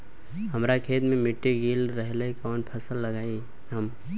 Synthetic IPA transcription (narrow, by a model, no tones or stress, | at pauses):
hɐmɾakʰeːt̪mẽmɪʈːiɡiːlɾəɦleikɔːnpʰəsəlːɐɡaːi | ɦəm